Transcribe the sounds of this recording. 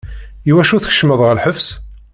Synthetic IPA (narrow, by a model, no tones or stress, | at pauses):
iwæʃuθə̥çə̥ʃməðˤʁəlħəfs